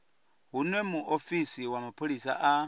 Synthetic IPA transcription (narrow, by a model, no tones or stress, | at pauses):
ɦunwɛmuʔofisiwamapʰolisa̰ʔa